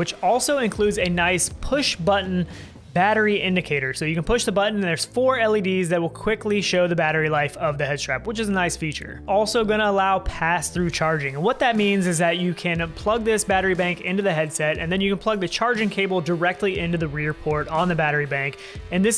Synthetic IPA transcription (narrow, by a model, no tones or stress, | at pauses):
wɨt͡ʃɔlˠsoʊɨ̃nkʰl̥ʉdzɨnaɪspʰʊʃb̥ʌʔn̩ | bæɾə˞iʔɪ̃ndɨkʰeɪɾə˞soʊjɨknpʰʊʃðəbʌʔñ̩n̩ðə˞z̥fɔɹɛlˠidizðɨt̚wəlˠkʰw̥ɪkliʃoʊðɨbæɾə˞ilaɪfʌvðɨhɛd̚tʰɹ̥æpwət͡ʃɨzənaɪsfit͡ʃə̰˞ʔɔlˠsoʊɡʌñəəlaʊpʰæsθɹʉt͡ʃʰɑɹd͡ʒɪ̃ŋɨ̃nwʌt̪̚ðɨt̚mĩnzɨzðɨt͡ʃɨkʰɨ̃npʰl̥ʌɡ̚ðɪsb̥æɾə˞ibæ̃ŋkɪ̃ntʉðɨɦɛd̥sɛɾɨ̰̃nðɨ̃njɨkɨ̃npʰl̥ʌɡ̚ðɨt͡ʃʰɑɹd͡ʒɪ̃ŋkʰeɪbl̩ˠdə˞ɛk̚tˡliʔɪ̃ntʉðɨɹɪɹpʰɔɹɾn̩ðɨbæɾə˞ibæ̃ŋk | ɨ̃nðɪs